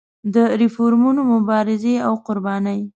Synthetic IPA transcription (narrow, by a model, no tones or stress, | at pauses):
d̪əɾɪfoɾmunomʊbɑɾɪzeawqʊɾbɑnəj